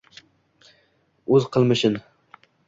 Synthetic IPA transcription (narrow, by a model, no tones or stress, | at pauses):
ɵzqʰəlˠmɨʃɪn